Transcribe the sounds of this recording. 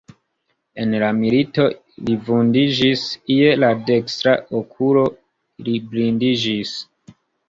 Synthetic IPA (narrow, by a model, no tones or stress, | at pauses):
e̞nlamilito̞ | livundid͡ʒisie̞lade̞kstɾaʔokʰulo̞ | liblindid͡ʒis